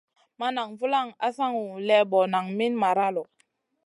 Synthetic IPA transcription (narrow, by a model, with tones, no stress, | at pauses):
ma˦na˨ŋvu˦la˦˨ŋa˦sa˦ŋu˨lɛ˦bɔ˨na˨ŋmi˦nma˨ɾa˦lɔ˨